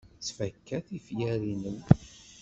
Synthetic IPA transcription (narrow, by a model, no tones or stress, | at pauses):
t͡sːfækːæθifjæɾinən